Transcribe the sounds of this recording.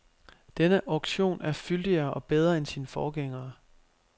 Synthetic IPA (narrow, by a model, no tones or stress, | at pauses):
d̥enəʔɑʊɡ̥ɕo̝̰ːnʔæɐfyld̥iɐːʔɒ̽b̥eð̞ˠʁɐensiːnəfɒːɡ̥eŋ̰ɐː